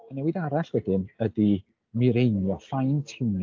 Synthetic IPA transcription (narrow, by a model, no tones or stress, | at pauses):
anɛwɨðaɾaɬwɛdɪnədi | mɪɾejnjɔfajntʰɪwn